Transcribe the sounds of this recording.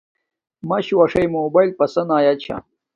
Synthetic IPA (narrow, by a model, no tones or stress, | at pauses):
mɐɕuwɐʂɐjmobajlʲpɐsɐnaːjat͡ɕʰa̰